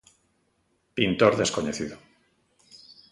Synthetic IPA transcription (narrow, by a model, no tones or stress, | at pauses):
pint̪oɾðe̞skoɲeθiðo